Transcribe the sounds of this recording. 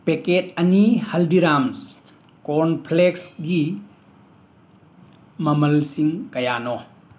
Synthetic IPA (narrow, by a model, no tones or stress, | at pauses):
peket̚ɐnihɐldiɾams | kɔnpʰleksɡi | mɐmɐlsiŋkɐjanɔ